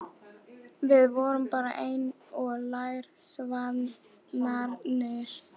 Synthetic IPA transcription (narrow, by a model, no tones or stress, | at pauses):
vɪðvɔːɾʏmpaːɾa̰ʔejn | ɔlajɾ̥svan | aɾnɪɾ̥